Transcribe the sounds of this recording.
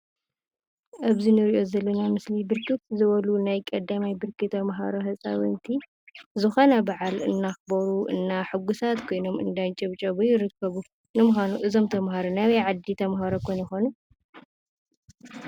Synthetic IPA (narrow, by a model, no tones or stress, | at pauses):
ʔaβzinɨɾiʔo̞zɐlːɐnamɨslibɨɾkʰɨt̪zɨβɐlunajkʼɐd̪ːamajbɨɾkʰɨt̪ʰɐmɦa̰ɾohɐsʼa̰βɨnt̪ʰi | zɨxo̞nɐbaʕalɨ̰nːaxɨbɐɾuʔɨnːaħɨɡusat̪kʰo̞jno̞mɨ̰nd̪ajnt͡ʃʼɐβt͡ʃʼɐβujɪɾɨkːɐβu | nɨmɨxanuʔɨzomt̪ʰɐmɦaɾonawɐjʕad̪ːit̪ʰɐmɦaɾokʰojnjɪxo̞nu